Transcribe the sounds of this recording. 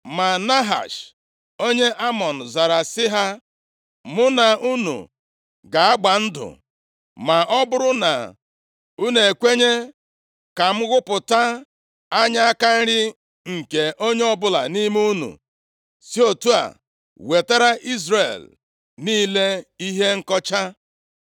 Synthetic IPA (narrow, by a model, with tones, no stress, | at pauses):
ma˨na˦ɦa̰˨ʃ | o˦ɲe˦ʔa˦mɔ˨n̩˨za˨ɾa˨sɪ˦ɦa˦ | mʊ˦na˨u˦nṵ˨ | ɡa˨a˦ɡ͡ba˨n̩˦dʊ̰˨ | ma˨ʔɔ˦bʊ˦ɾʊ˦na̰˨ | u˦ne˨kʷe˦ɲe˦ | ka˨m̩˦ɣʊ˦pʊ˨ta˦ | a˦ɲa˦a˦ka˦ŋ̩˦ɾɪ˦ | ŋ̩˨ke˨ʔo˦ɲe˦ɔ˦bʊ˦la̰˨ni˦m˦u˦nṵ˨ | si˦o˨tu˦a̰˨ | we˨ta˦ɾa˦ʔi˦zɾe˨l | niː˦le˦i˦ɦe˦ŋ̩˦kɔ˦t͡ʃa˦